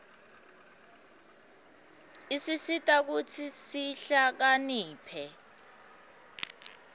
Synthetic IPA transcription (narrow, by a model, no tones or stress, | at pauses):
isisitʼak̬utʰisiɬak̬aniːpʰɛ